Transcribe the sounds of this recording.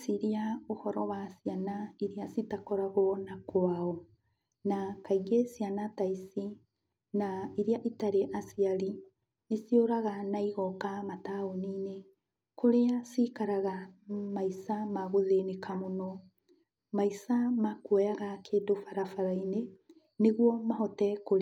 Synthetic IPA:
siɾiaohɔɾɔwasianaiɾiasitakɔɾaɣoɔnakwaɔ | nakaiɡesianataisi | naiɾiaʔitaɾeʔasiaɾi | nesioɾaɣanaiɣɔkamataoniːne | koɾeasikaɾaɣamaisamaɣoðenekamonɔ | maisamakwɛjaɣakʰeːdofaɾafaɾaine | neɣwɔmaɦɔtɛkoɾ

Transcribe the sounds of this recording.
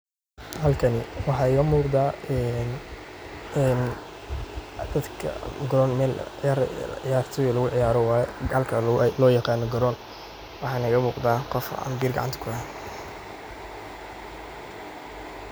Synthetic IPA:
hɐlkʰɐnɪwɑħɑːɪɣɐmuːqd̪aːɛn | ɛn | d̪̥ɐd̪kʰɐ̰ɡɾɔnmɛːlɪjaːɾʕɪjaːrt̪ʰɔjɔlɐɣʊʕɪjaːɾɔwaːjɐlkʰɐlɔːjɑqɑːnɔɡɔɾɔn | wɑħɑːnɐɪɣɐmuːqd̪aːqɔfɐ̰mbiːrɡɑ̰ʕɑnt̪ʰɐ̥kʰʊɐhan

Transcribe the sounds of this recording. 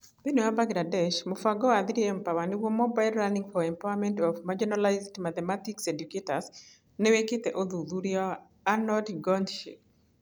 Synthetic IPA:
binuabaɡladɛʃmʊfaɡɔad̪ɾiempawaniwomɔbaɪlɾaniŋfɔɛmpawamɛntɔfmad͡ʒɔnalaɪzdmat̪ɛmatiksedjuketas | nɛweket̪ɛʔoðud̪uɾiɔ | anɔdɡɔndʃḭk̚

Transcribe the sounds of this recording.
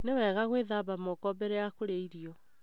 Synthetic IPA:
newɛːɣaɣweðaːbamokɔbɛɾɛjakoɾeiɾiɔ

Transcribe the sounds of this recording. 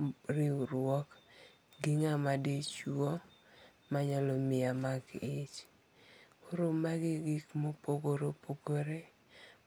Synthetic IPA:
ɾɪuɾɔk | ɡiŋamadet͡ʃuɔ | maɲalɔmɪamaɡɪt͡ʃ | oɾomaɡɪɡikmopoɡoɾopʰoɡoɾe

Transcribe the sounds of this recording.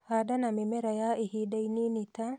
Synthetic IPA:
hadanamimɛɾajaihidaininita

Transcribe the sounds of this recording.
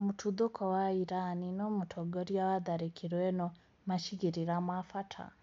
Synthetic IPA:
mutʰuðukʰɔwaiɾaninomutʰoɡɔɾjawaðaɾikʰiɾweno | maʃiɡiɾiɾamwafatʰa̰

